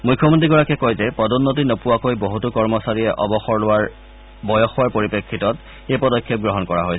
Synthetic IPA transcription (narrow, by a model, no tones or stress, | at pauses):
mujkʰːɔmɔntɹiɡɔɹakɛkojzɛpɔdɔnːot̬inopuwakojboɦutukɔɹmɔsaɹiɛʔɔ̰bɔxɔɹlʊwaɹ | bɔjɔxʊwaɹpoɹipekʰːitɔt | ejpɔdɔkʰːjɔp̚ɡɹɔɦɔnkɔɹa̰ɦojs